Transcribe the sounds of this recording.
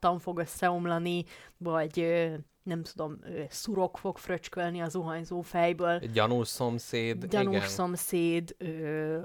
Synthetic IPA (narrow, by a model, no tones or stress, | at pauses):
t̪ːɒɱfo̞ɡø̞sːɛomlɒnivɒɟø | nɛmt̪ud̪o̞møːsuɾo̞kfo̞kfrøt͡ʃkølniɒzoɦɒɲzoːfɛjbøːlɟɒnuːʃsomseːd̪ɟɒnuʃso̞mseːd̪øː